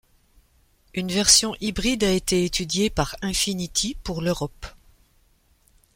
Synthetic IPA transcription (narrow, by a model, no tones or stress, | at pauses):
ynvɛʁsjɔ̃ʔibʁid̪aet̪eːt̪yd̪jepaʁɛ̃finit̪ʰipuʁløʁɔp